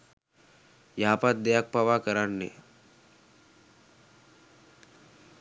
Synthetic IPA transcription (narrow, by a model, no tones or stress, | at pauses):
jaːpat̪̚d̪ejak̚paʋakəɾanːḛ